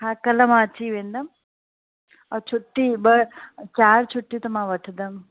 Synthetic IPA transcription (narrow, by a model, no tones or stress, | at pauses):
ɦãːkɐlɐmãːt͡ʃiːʋend̪ɐm | ɐt͡ʃʰuʈːibət͡ʃaːɾt͡ʃʰuʈːit̪ɐmãʋəʈʰd̪ɐm